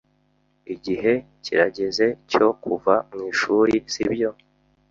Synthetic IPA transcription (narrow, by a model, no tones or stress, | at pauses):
iɟiɦe̞ | ciɾaɟe̞ze̞co̞kuvamŋiːʃuːɾiz̥ibjo̞